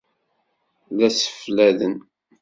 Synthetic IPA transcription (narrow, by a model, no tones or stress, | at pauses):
læsə̥flæðən